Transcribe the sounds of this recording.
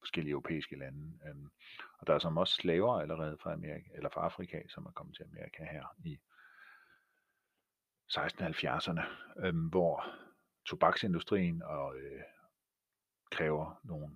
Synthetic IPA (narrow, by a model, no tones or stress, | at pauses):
fɒ̽sɡ̥el̰iœʊʁopʰḛːisɡ̥əlænə | ɒ̽d̥ɑ̈æɐsɒ̽mɒ̽sslɛːʊɐæləʁɛːð̞̩ˠfʁɑ̈æmeɐʁielɐfʁɑ̈ɑ̈fʁikʰæsɒ̽mæɐkʰɒ̽mət͡sʰe̝æmeɐʁikʰæhæɐ̰i | sɑ̈ɪsd̥n̩hælfjæɐsɐnəʋɒ | t͡sʰo̝b̥ɑ̈ɡ̥se̝nd̥usd̥ʁḭːnɒ̽ø | kʰʁɛːʊɐno̝ːn̩